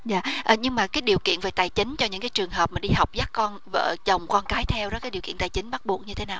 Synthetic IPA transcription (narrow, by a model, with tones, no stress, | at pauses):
za̰ː˧˩ʔəː˨˩ɲɨ˧ŋmaː˨˩kaː˨˦jɗi˨˩əwkḭ˧˨ənve˨˩t̪aː˨˩jt͡ɕï˨˦ŋ̟t͡ɕɔ˧ɲɨ̰˧˥ŋkaː˨˦jt͡ɕɨ˨˩əŋɦəː˨˩p̚maː˨˩ɗi˧ha˨˩wk͡p̚zaː˦˥k̚kɔ˧nvə̰ː˧˨t͡ɕə˨˩wŋ͡mkɔ˧nkaː˨˦jt̪ʰɛ˧wzɔː˧˦˥kaː˨˦jɗwkḭ˧˨ənt̪aː˨˩jt͡ɕï˨˦ŋ̟ɓa˦˥t̚ɓu˨˩ək̚ɲɨ˧t̪ʰe˨˦naː˨˩w